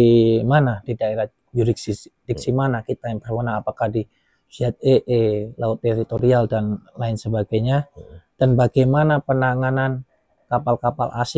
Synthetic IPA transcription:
manadidaeɾah | d͡ʒuɾiksidik̚simanakit̪ajaŋpərmanaːpakahdi | siat̪̚eʔelaʊt̪ːeɾit̪oɾialdanlaɪnsəbaɡajɲad̥anbaɡajmanapənaŋanan | kapalkapa̰lʔa̰s

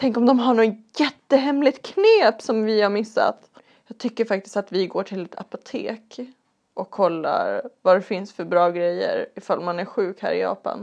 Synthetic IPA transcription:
t̪ʰɛŋkɔmd̪ɔmɦaɳojɛt̪ːəɦɛmlɪt̪kʰneːpsɔmvɪhaɾmɪsːa̰t̪ | jɑːɡ̚t̪ʰʏkːəɾfak̚t̪ɪ̥st̪at̪vɪɡoːʈʰɪlɛt̪ʰa̰pʊt̪ʰḛːk | ʔɔkʰːɔlːa̰ɾvad̪ɛfɪnsfœɾbɾɑːɡɾɛjːə̰ɾɪfalːmanæɾɧʉ̟ːkhæ̰ːɾɪ̰jɑ̰ːpa̰n

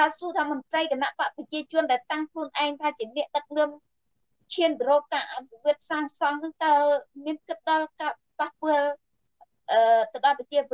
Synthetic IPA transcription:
t̪aəsuət̪ʰaːmənt̪rəjkanaʔpaʔprɑt͡ɕiət͡ɕʊ̆ənɗaɛlt̪aŋkʰluənʔaɛŋt̪ʰaːt͡ɕiənɛ̆əʔɗɨk̚nɔəm | t͡ɕʰiənt̪rɔːkaːʔapiʋiət̪̚saːŋsɑŋnɨŋt̪aəmiənkɨt̪̚ɗɑlkaː | pahpɨ̆əl | ʔəːt̪əwɗɑlpət͡ɕiəʋə

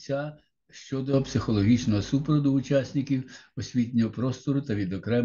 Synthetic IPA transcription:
t͡sʲa | ʃt͡ʃɔd̪ɔpsɪxɔlˠɔɦʲit͡ʃnɔɦɔsupɾɔd̪ʊʊt͡ʃasʲnʲɪkʲiwɔsʲʋʲit̪ʲnʲɔɦɔpɾɔst̪ɔɾʊt̪ɐʋʲid̪ɔkɾɛm

